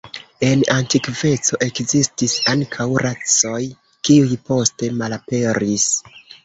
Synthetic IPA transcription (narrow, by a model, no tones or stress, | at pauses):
e̞nantikve̞t͡so̞ʔe̞kzistisaŋkʰawɾʔat͡so̞j | kiujpo̞ste̞malape̞ɾis